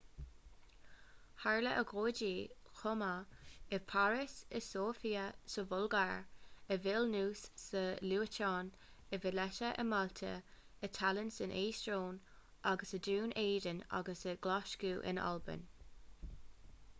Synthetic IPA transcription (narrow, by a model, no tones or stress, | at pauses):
haɹləʔəɡʁoːdiːxɔmaəpʰaɹɪsəsoːfiːəsəvʊlɡaɹəvɪlnuːsːəluːətɑːn | əvɪlɛʃəʔə̰malt̪ʰə̰ | ət̪ʰalənsɪnʔeːstɹoːn | ʔaɡəsəduːnʔeːdəna̰ɡəsəɡlaʃkuːʔɪ̰na̰lbə̰n